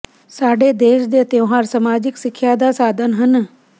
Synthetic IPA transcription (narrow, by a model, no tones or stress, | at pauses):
saːɖeːd̪eːʃd̪eːt̪eoɦaːɾsəmaːd͡ʒɪksɪkʰːjaːd̪aːsaːd̪ʱənɦən